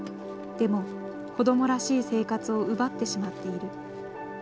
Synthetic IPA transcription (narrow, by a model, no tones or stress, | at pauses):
d̪̥e̞mo̞ | ko̞d̪o̞mo̞ɾaɕiːse̞ːkat͡sɨo̞ɯbat̪ːe̞ɕimat̪ːe̞iɾɯ̟